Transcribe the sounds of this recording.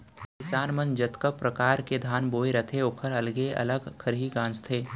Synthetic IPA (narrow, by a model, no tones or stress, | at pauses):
kɪsaːnmənd͡ʒɐt̪kəpɾɐkaːɾked̪ʱaːnboːeɾət̪ʰeʊkʰəɾɐlɡeɐ̰ləɡkʰəɾɦiɡãːnt͡ʃt̪ʰeː